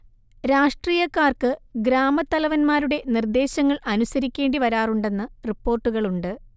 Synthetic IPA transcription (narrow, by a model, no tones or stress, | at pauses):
ɾaːʂʈriːjɐkːaːrkɨɡɾaːmɐt̪ːɐlɐʋɐnmaːɾuɽe̞nird̪e̞ːɕɐŋːɐɭʔɐnusɐɾikʲːe̞ːɳɖiʋɐɾaːruɳɖe̞nːɐripːo̞ːrʈːuɣɐɭuɳɖɨ